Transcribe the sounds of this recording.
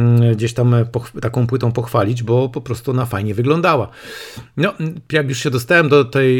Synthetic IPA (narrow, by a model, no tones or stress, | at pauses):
ɡd͡ʑeɕt̪ampɔxt̪akɔ̃w̃pwɘt̪ɔ̃w̃pɔxfalʲid͡ʑbɔpɔpɾɔst̪uɔnafajɲɛvɘɡlɔnd̪awanɔjakjuʂɕɛd̪ɔst̪awɛmd̪ɔt̪ɛj